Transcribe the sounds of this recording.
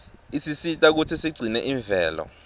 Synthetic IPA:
isisitʼak̬utʰisiɡ͡ǀʱinɛʔiːɱvʱɛːlɔ̰

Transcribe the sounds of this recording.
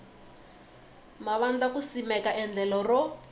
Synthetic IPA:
maβand͡ɮakusimɛkaʔɛnd͡ɮɛlɔrɔ

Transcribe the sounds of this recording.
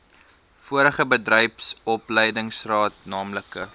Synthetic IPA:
fuəɾəχəbədrɛjpsɔpləjdəŋsrɑːtnɑːmləkə

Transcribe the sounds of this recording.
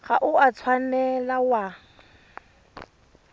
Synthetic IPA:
ɣaʔʊat͡sʰwanɛlawa

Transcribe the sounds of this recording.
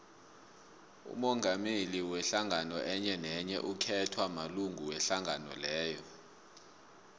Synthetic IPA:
ṵmɔŋʱameliwɛɬaŋanɔʔɛɲɛnɛɲɛ̰ʔukʰɛtʰwamaluŋɡʱuwɛɬaŋanɔ̰lɛːjɔ

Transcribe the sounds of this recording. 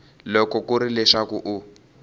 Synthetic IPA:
lɔkɔkuɾilɛʂakuʔu

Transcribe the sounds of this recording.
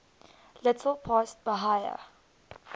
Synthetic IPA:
lɪtʰəlpʰɔst̚bəɦajə̰

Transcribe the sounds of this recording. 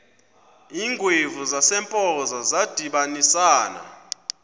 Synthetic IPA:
iːŋɡʱwevuzasɛmpʼɔzazad̥ʱiɓanisaːna̰

